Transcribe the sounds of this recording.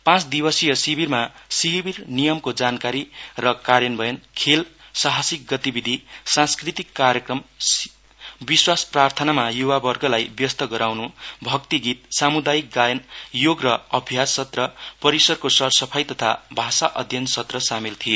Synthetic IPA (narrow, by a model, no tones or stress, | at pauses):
pãt͡sd̪ibʌsijʌsibirmasibirnijʌmkod͡zankaɾirʌkaɾjʌnbʱʌjʌnkʰelsaɦasik̚ɡʌt̪ibid̪ʱisãnskrit̪ikːaɾjʌkrʌm | biswasprart̪ʰʌnamajuwabʌrɡʌlajbjʌst̪ʌɡʌɾawnubʱʌkt̪iɡit̪̚samud̪ajik̚ɡajʌnjoɡrʌʌbʱjasʌt̪rʌpʌɾisʌrkosʌrsʌpʰajt̪ʌt̪ʰa̰bʱasaʔʌd̪ʱjʌnsʌt̪rʌsamilt̪ʰijo